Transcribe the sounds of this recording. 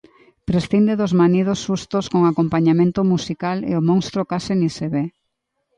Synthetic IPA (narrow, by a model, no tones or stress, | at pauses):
pɾesθind̪eðozmanið̞osʃust̪oskoŋakompaɲamẽnt̪omusikalḛomõŋst̪ɾokasɪniseβe